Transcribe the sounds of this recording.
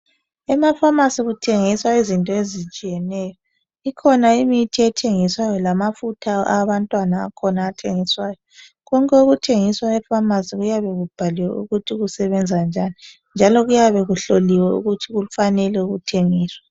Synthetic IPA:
ɛmafamasiɣutʰeŋiswaizintʼɔezit͡ʃʼijɛnɛːjɔ | ikʰɔnaimitʰiɛtʰeŋiswajɔlamafutʰaaβantʼwana̰ːkʰɔnaːtʰeŋiswaːjɔ | ɣɔŋkʼɛuɣutʰeŋiswaɛfamasiɣujaβɛɣub̥ʱaliwɛ̰ʔuɣutʰiɣusɛβɛnd͡zʱand͡ʒʱani | nd͡ʒʱalɔɣujaβɛɣuɬoliwɛṵɣutʰiɣulufanɛlɛuɣutʰeŋiːswa

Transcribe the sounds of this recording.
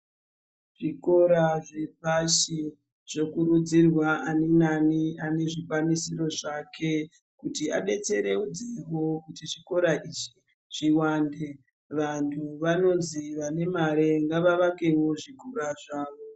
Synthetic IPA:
ʐ̥iko̞ɾaʐepaʃi | ʐ̥o̞kuɾud͡zirwaanenaniane̞ʐikwanisiro̞ʐakʰe̞ | kutia̰ɗe̞t͡se̞ɾe̞ud͡zeɦo̞kutiʐiko̞ɾaʔit͡ʃi̥ | ʐ̥iwaːnde | ʋantʰuʋano̞nziʋane̞maɾe̞ŋɡaʋaʋake̞wo̞ʐiko̞ɾaʐaːʋo̞

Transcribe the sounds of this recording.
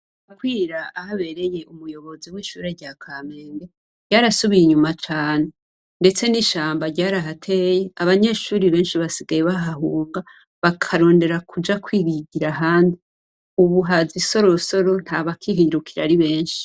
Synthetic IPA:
ukwiːɾaahaβe̞ɾe̞je̞ʔumujo̞βo̞ziwiːʃṵːɾeɾɟaːkʰameːnbe | ɟaːɾasuβijiɲumat͡ʃaːne | nde̞t͡se̞niʃaːmbaɾɟaːɾaɦatʰe̞jeaβaɲe̞ːʃuːɾiβe̞ːnʃiβasiɡajeβaɦaɦuːŋɡa | βakʰaɾo̞ːnde̞ɾakʰud͡ʒakwiːβiɟiɾaɦaːndi | uβuɦaziso̞ɾoso̞ɾo̞n̥haβakʰiɦiɾukʰiɾa̰ɾiβe̞ːnʃi̥

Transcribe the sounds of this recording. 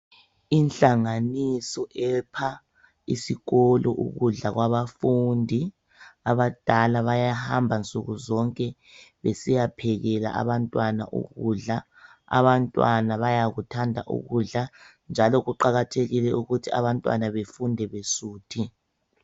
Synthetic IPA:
inɬʼaŋanisɔʔɛpʰa | isiɣɔlɔʔuɣuɮaɣwaβafuːndʱi | aβad̥ʱalaβajahambʱant͡sʼuɣuzɔŋkʼɛ | βesijapʰɛɣɛla̰ʔa̰βantʼwana̰ʔṵɣuɮa | a̰βantʼwanaβajaɣutʰandʱa̰ʔṵɣuɮa | nd͡ʒʱalɔɣuǃaɣatʰeɣilɛuɣutʰia̰βantʼwa̰naβefundʱɛβesuːtʰi

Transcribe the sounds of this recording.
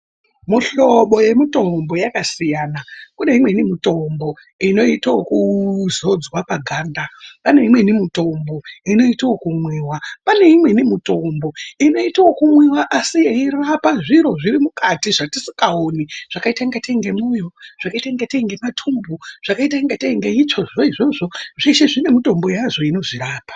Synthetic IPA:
muɬo̞ɓo̞je̞mito̞mbo̞jakasijaːnakune̞imwe̞nimito̞mbo̞ | ino̞itawokuzo̞d͡zwapaɡʱaːndapane̞imwe̞nimito̞mbo̞ino̞itawokumwiːwapane̞imwe̞nimuto̞mbo̞ino̞itawokumwiwaʔasijeirapaʐiɾo̞ʐiɾimukatiʐatisi̥kaoniʐ̥akaitaŋɡateŋɡemujo̞ʐ̥akaitaŋɡeteŋɡematʰumbuʐ̥akaitaŋɡateŋɡeit͡ʃoʐoiʐoʐo̞ʐiʃe̞ʐine̞mito̞mbo̞jaʐo̞inoʐiɾaːpḁ

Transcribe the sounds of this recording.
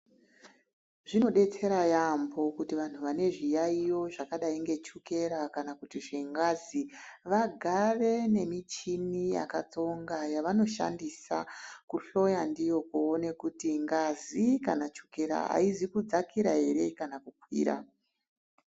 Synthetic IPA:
ʐ̥ino̞ɗe̞t͡se̞ɾajambo̞kutiʋan̤uʋane̞ʐijaijo̞ʐakaɗaiŋɡe̞t͡ʃuke̞ɾakanakutiʐeŋɡaziʋaɡʱare̞ne̞mit͡ʃinija̰kat͡so̞ŋɡajaʋano̞ʃa̰ndisa̰kuɬo̞jandijo̞koːne̞kutiŋɡazikanat͡ʃuke̞ɾa̰ɦa̰izikud͡zakiɾaɦe̞ɾe̞kanakukwḭːɾa̰

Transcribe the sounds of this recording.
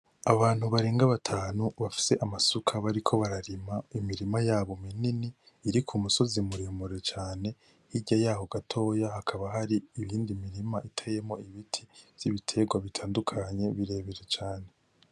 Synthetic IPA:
aβaːn̥huβaɾeːŋɡaβatʰaːnuβafi̥se̞ʔamasukʰaβaɾikʰo̞βaɾaɾimaimiɾimajaːβo̞mininiː | ɾikʰumuso̞zimuɾimuɾet͡ʃaːne̞ | hiɟajaːho̞ɡatʰo̞ːjahakʰaβaɦaɾiːβiːndimiɾimaʔitʰeje̞mo̞iβitʰi̥z̥iβitʰe̞ɡwaβitʰaːndukʰaɲe̞βiɾe̞ːβiɾet͡ʃaːne̞

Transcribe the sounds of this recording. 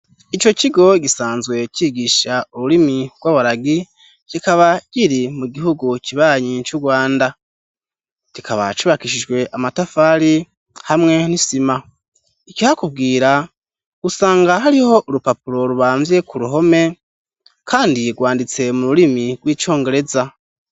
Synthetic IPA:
it͡ʃo̞ciɡo̞ɟisaːnzɡwe̞ciɡiʃauɾuɾimiɡ̥waβaɾaɡi | cikaβaɟ̥iɾimuɡiɦuɡuciβaːɲit͡ʃuɡwaːnda | cikʰaβa̰t͡ʃiβakiʃ̬iʒɡwe̞ʔamatafaːɾi | hamŋe̞nisima | icihakub̚ɡiːɾa | ɡ̥usaːŋɡaɦaɾiho̞ʔuɾupapuɾo̞ɾuβaːɱve̞kʰuɾuɦo̞me̞ | kʰaːndiɡwaːndit͡se̞muɾuɾimiɡ̥wiːt͡ʃo̞ːŋɡe̞ɾe̞za

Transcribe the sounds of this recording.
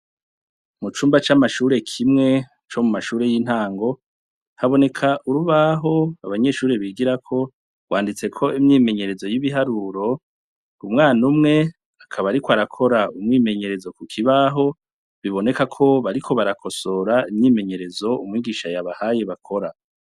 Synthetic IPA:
mut͡ʃuːmbat͡ʃamaʃuːɾe̞kʰimŋe̞ | t͡ʃo̞mumaʃuːɾe̞jin̥aːŋɡo̞ | haβo̞ne̞kʰaʔuɾuβaɦo̞aβaɲe̞ːʃuːɾe̞βiɡiɾakʰo̞ | ɡ̥waːndit͡se̞kʰo̞imɲiːme̞ɲe̞ɾe̞zo̞jiβiɦaɾuɾo̞ | umŋaːnumŋe̞ | akʰaβaɾikoaɾakʰo̞ɾaumŋiːme̞ɲe̞ɾe̞zo̞kukʰiβaɦo̞ | βiβo̞ne̞kakʰo̞βaɾikʰo̞βaɾakʰo̞so̞ɾaimɲiːme̞ɲe̞ɾe̞zo̞umŋiːɡiːʃajaβahaje̞βakʰo̞ɾa

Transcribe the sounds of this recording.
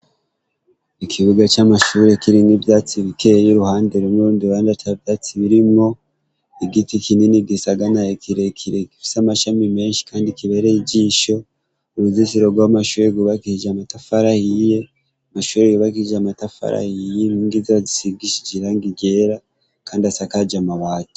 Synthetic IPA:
ikʰiβuɡat͡ʃamaʃuːɾe̞kiɾinivjat͡siβikejuɾuhaːndeɾunuuːmdiβaːndatavjaːt͡siβiɾimŋo̞ | iɡitikininiɡisaɡanajokʰiɾekʰiɾekifi̥samaʃamime̞ːnʃi̥kʰaːndikiβe̞ɾeiɟiːʃo̞ | uuzisiɾoɡwamaʃuːɾeɡuβakihid͡ʒamatafaɾahije | amaʃuːɾejuβakihiʒamatafa̰ɾa̰hijeniːŋɡiziβazisiɡiʃi̥d͡ʒiɾaŋɡiɟe̞ɾa | kaːndiasakad͡ʒamaβaːtu̥

